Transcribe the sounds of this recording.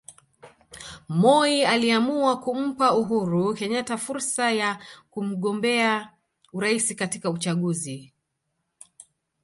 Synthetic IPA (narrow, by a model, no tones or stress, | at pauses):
mɔialiamuwakum̩pauɦuɾukɛɲatafuɾsajakum̩ɠɔmbɛa | uɾaisikatikaut͡ʃaɠuzi